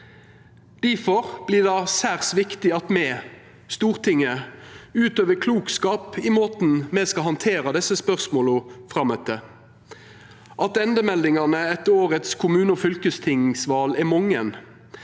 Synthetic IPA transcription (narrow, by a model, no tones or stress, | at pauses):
d̪̥æfɔʁb̥lɪːd̪ɑsæːʁsʋɪkt̪ɪɑt̪mɛː | st̪uːʁt̪ʰɪŋːəʉːt̪øːʋəkʰluːkskɑːpɪmoːt̪n̩mɛskɑhɑnt̪ʰeːɾɑd̪ɛsːəspœʁsmoːlɔfʁɑmœt̪ə | ʔɑt̪ɛnd̪əmɛld̪ɪŋɑnəɛt̪ːəoːʁət̪skʰʊmʉːnəɔfʏlkəst̪ʰɪŋsʋɑːlɛmɔŋːən